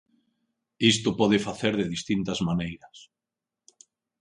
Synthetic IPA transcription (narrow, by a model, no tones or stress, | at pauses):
ist̪ʊpɔð̞efaθeɾðeðist̪int̪azmanejɾɐs